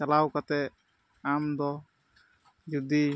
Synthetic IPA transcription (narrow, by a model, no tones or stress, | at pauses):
t͡ʃalawkat̪ɛ | amd̪ɔ | d͡ʒud̪i